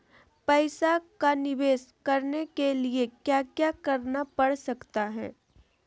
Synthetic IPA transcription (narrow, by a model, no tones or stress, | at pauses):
pɛɪsakanɪʋeːskɐɾnekeliekjaːkjaːkɐɾnapɐɽsɐkt̪aɦɛ̰ː